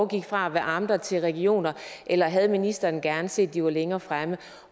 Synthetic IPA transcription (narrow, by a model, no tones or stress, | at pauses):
ɡ̥iɡ̥fʁɑ̈æʋæɐʔɑ̈md̥ɐt͡sʰe̝lʁɛɡ̥io̝̰ːnɐʔelɐɦæð̞ˠminisd̥ɐːnɡ̥æɐnəse̝̰ːd̥ːiʋɑ̈leŋɐːfʁamə